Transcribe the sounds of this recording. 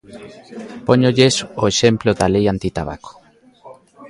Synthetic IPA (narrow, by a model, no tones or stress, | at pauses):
poɲoʎesoeʃemploðalejant̪it̪aβ̞a̰ko̥